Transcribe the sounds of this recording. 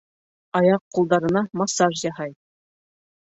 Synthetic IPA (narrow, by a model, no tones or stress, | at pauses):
ɑjɑqːulˠd̪ɑɾɤ̆nɑmɑsɑʐjɑɦɑj